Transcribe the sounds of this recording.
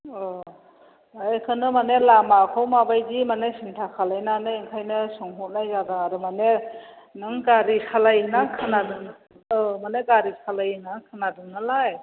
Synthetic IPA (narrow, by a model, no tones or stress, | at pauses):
ɔ | akʰɯnɯmanelamakʰawmabajdimanesiŋtʰakʰalajnanɯeŋkʰajnɯsɔŋɦɔt̚najzadaːɾɯmane | nɯŋɡaɾisalajnakʰɯnadɯŋ | maneɡaɾisalajnakʰɯnadɯŋːalaj